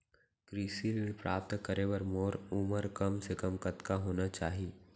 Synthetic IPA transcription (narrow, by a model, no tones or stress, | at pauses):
kɾiːsinpɾaːp̚t̪kəɾewɐɾmoːɾʊməɾkɐmsekəmkɐt̪kaɦoːnat͡ʃaːɦieː